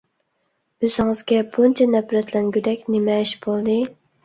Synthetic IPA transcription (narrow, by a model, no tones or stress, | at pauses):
øzɪŋɨzɡʲɛbunt͡ʃʰɛnɛpɾɛt̪lɛnɡʲyd̪ɛkʲnɪmɛiʃbolˠd̪ɨ